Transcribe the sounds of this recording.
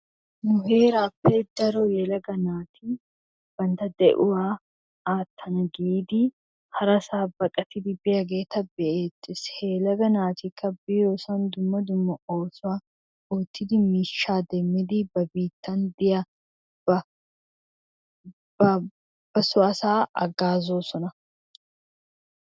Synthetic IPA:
mʊheːɾaːpːeːd̪ɐɾojɛlɐɡɐnaːt̪ʰi | b̥ɐnt̪ɐd̪ɛʔʊwaː | ʔaːt̪ʰːɐnɐɡiiːd̪i | hɐɾɐsaːbɐkʼɐt̪ɪd̪ɪbɪjɐɡe̞ːt̪ɐbɛʔeːt̪ːɪsheːlɐɡɐnaːt̪ɪkːɐbiːɾoːsɐnd̪ʊmːɐd̪ʊmːɐʔoːsʊa | uːt̪ːɪd̪ɪmiːʃːaːd̪ɛmːɪd̪ibɐbiːt̪ːɐnd̪ɪjɐ | bɐ | bɐ | b̥ɐsʊʔɐsaːʔɐ̰ɡaːzoːsɔnɐ

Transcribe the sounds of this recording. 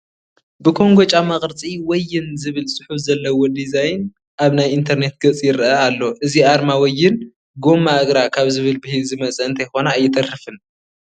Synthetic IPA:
bɨkʰo̞ŋɡot͡ʃʼamɐχʼɾɨt͡sʼiwɔjːɪnzɨβɨlsʼʊħufzɐlːɐwod̪izajn | ʔaβnajint̪ʰɐɾne̞t̪̚ɡɐt͡sʼijɪɾʔɐalːo̞ʔɨziʔaɾmawɔjːɪn | ɡo̞maɨɡɾakʰaβzɨβɨlbɨhilzɨmɐt͡sʼɐɨnt̪ʰɐjxo̞naːjːɪt̪ʰɐrɨfɨn

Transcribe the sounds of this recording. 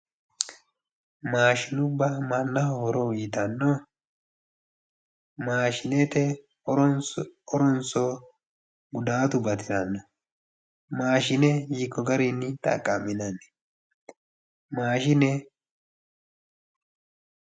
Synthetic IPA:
maːʃɪnʊbːɐmɐnːɐhɔhɔɾɔwiːt̪ɐnːo | maːʃɪnɛt̪ɛ | ɔɾɔnsɔ | ɡʊd̪aːt̪ʊbɐt̪ɪɾɐnːɐ | maːʃɪnɛjɪkːɔɡɐɾinːɪt̪ʼɐ̰kʼːɐmːɪnɐnːɛ̥ | maːʃɪnɛ

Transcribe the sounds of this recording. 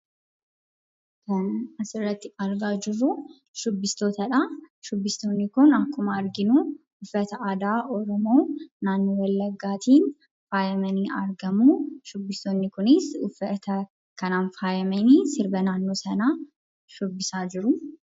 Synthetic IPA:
kɐnɐɐsɪrːɐt̪ːɪɐɾɡaːd͡ʒɪrːʊ | ʃʊbːɪst̪o̞ːt̪ɐᶑɐʃʊbːɪst̪oːnːɪkʊnɐkːʊmɐɐɾɡɪnu | ʊfːɛt̪ɐʔaːd̪aːʔɔɾɔmo̞ːnaːnːoːwɐlːɐɡːaːt̪iːn | faːjɐmɐniːʔɐ̰ɾɡɐmuːʃʊbːɪst̪oːnːɪkʊnɪsʊfːɛt̪ɐ | kɐnaːnfaːjɐmɛniːsɪɾbɐnaːnːo̞ːsɐnaː | ʃʊbːɪsaːd͡ʒɪɾʊ

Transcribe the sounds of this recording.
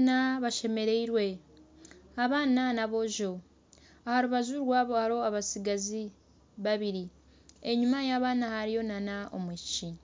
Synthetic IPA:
naβaʃe̞me̞ɾe̞iɾwe̞ | aβaːnanaβo̞ʒo̞ | ahaɾuβazuɾwaβohaɾo̞aβasiɡazi | βaβiɾi | e̞ɲumajaːβaːnahaɾijo̞nanao̞̰mici

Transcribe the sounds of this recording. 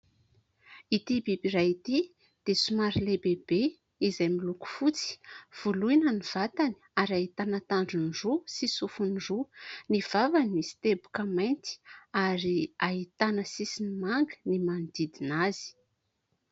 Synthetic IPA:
it̪ibibiɾait̪i | d̪̥esumaɾilebebe | izajmiluku̥fut͡si̥v̥ulujnəniv̥at̪ani̥aɾaɦit̪anat̪aɳɖ͡ʐunrusisufunɖ͡ʐuniv̥avanisi̥t̪ebu̥kəmajnt̪i̥aɾiaɦit̪anəsisinimaŋɡənimand̪id̪inazi̥

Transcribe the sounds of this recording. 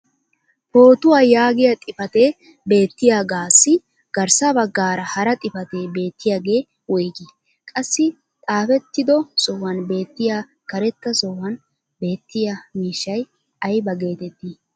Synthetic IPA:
ho̞ːt̪ʊwajaːɡɪjɐt̪ʼɪfɐt̪eː | be̞ːt̪ːɪjaːɡaːsːɪ | ɡ̥ɐɾsɐbɐɡːaːɾɐhɐɾɐt̪ʼɪfɐt̪e̞ːbe̞ːt̪ːɪjaːɡe̞ː | wɔjɡɪ | kʼɐsːɪ | t̪ʼaːfɛt̪ːɪd̪ɔsɔwɐnbe̞ːt̪ːɪjaː | kɐɾɛt̪ːɐsɔwɐn | be̞ːt̪ːɪjɐmiːʃːɐj | ʔɐjbɐɡe̞ːt̪ɛt̪ːi

